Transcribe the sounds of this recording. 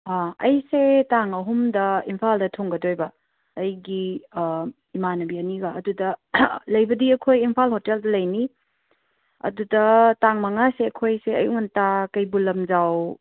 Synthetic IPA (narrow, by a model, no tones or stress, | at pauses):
aɐjsetaŋɐɦumdɐimpʰaldɐtʰoŋɡɐdojbɐː | jɡi | imanɐbianiɡaːdudɐlɐjbɐdiɐkʰojimpʰalhoteldɐlɐjni | ɐ̰dudɐtaŋmaŋaseɐkʰojseɐ̰juŋantakɐjbulɐmzaw